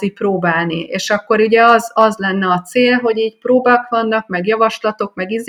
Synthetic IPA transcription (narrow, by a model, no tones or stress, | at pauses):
ipɾoːbaːlniḛːʃɒkːo̞ɾuɟɛɒzɒzlɛnːɛɒt̪seːlɦo̞ɟiːcpɾoːbakʋɒnːɒkmɛɡjɒvɒʃlɒt̪o̞kmɛɡiz